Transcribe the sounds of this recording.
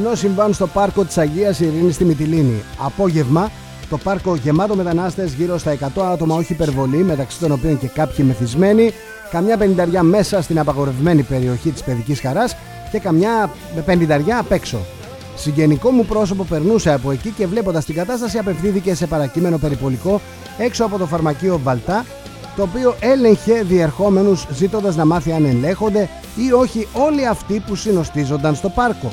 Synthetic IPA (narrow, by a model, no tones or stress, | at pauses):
no̞siɱvɐnst̪o̞pɐɾko̞t̪i̥sɐʝiɐsiɾinist̪imit̪̬iliniɐpo̞ʝe̞vmɐ | t̪o̞pɐɾko̞ʝe̞mɐt̪o̞me̞t̪ɐnɐst̪ezʝiɾo̞st̪ɐe̞kɐt̪o̞ɐt̪o̞mɐo̞çiːpe̞ɾvo̞lime̞t̪ɐksi̥t̪o̞no̞pio̞nce̞kɐpçime̞θizme̞ni | kɐmɲɐpenind̪ɐɾʝɐme̞sɐst̪inɐpɐɣo̞ɾe̞vme̞nipe̞ɾio̞çit̪i̥spe̞ðicisxɐɾɐs | ce̞kɐmɲɐ | pe̞nind̪ɐɾʝɐːpe̞kso̞̰ | siɲɟe̞niko̞mupɾo̞so̞po̞pe̞ɾnuse̞ɐpo̞e̞cice̞vle̞p̬o̞nd̪ɐst̪iŋɡɐt̪ɐst̪ɐsiɐpe̞fθiθice̞se̞pɐɾɐcime̞no̞pe̞ɾipo̞liko̞ | e̞kso̞ɐpo̞t̪o̞fɐɾmɐcio̞vɐlt̪ɐ | t̪o̞ːpio̞ʔe̞le̞ɲçe̞ðie̞ɾxo̞me̞nuzzit̪o̞nd̪ɐznɐmɐθiɐne̞nle̞xo̞nd̪e̞ | io̞çio̞liɐft̪ipusino̞st̪izo̞nd̪ɐnst̪o̞pɐɾko̞